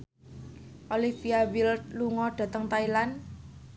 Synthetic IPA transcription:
ʔolifiawilluŋɔɖ̥ä̤t̪əŋt̪ailan

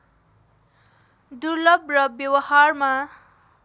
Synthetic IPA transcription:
d̪urlʌbrʌbjʌwʌharma

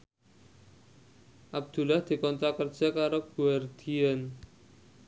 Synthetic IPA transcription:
ʔab̚d̪̥ṳlahd̪̥i̤kɔnt̪ɾakərd̥d͡ʒ̥a̤kaɾoɡ̥uard̪̥ian

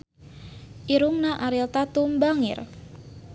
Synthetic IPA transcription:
ʔiɾʊmnaʔaɾilt̪at̪umbaŋɪ̰r

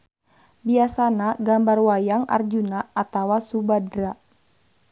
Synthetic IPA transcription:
biasanaɡambarwajaŋa̰rd͡ʒunaːt̪awasubadɾa

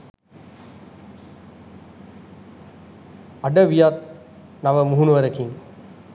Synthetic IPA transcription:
ɐɖɐʋijaːt̪̚ | naʋɐmuɦunuʋɐɾɐkiŋ

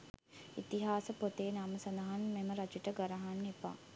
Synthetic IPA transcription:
it̪iɦaːsəpot̪eːnaməsɐnd̪aɦanmeməɾat͡ʃiʈəɡəɾaɦanːepa̰ː

